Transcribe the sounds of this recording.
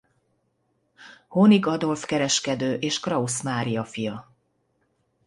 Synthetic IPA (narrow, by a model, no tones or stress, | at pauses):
honiɡɒd̪o̞lfkɛɾɛʃkɛd̪øːʔeːʃkrɒusmaːɾijɒfijɒ